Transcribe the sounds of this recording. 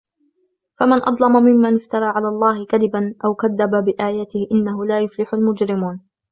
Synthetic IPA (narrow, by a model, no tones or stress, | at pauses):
famɪnʔɑd̪ˤlɑmamɪmːanɪft̪ɑɾˤɑːʕalaːlˤːɑːhɪkaðɪbanʔawkaðːababɪʔaːjaːt̪ɪhʔɪnːaɦʊlaːjʊflɪħʊlmʊd͡ʒɾɪmuːn